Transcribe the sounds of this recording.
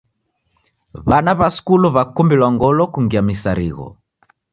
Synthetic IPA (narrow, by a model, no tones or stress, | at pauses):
βanaβaskuluβakumbilwaŋɡɔlɔkuŋɡiamisaɾḭɣɔ̰